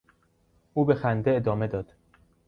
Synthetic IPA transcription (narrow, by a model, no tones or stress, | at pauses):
ʔuːbe̞xænd̪e̞ed̪ɒːme̞d̪ɒːd̪̥